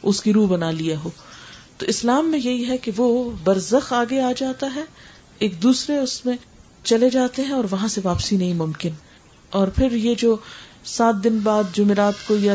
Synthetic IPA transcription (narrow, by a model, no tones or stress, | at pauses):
ʊskiɾuːbɐnaliaɦoːt̪oʔɪslaːmːẽjɐɦiɦɛkeʋobɐɾzəxaːɡeaːd͡ʒaːt̪aɦɛ | eːk̚d̪uːsɾeʊsmẽ | t͡ʃɐled͡ʒaːt̪eɦɛ̃ɔːɾʋɐɦãseʋaːpsinɐɦĩmʊmkɪn | ɔːɾpʰɪɾjed͡ʒoː | saːt̪̚d̪ɪnbaːd̪̚d͡ʒʊmeɾaːt̪koja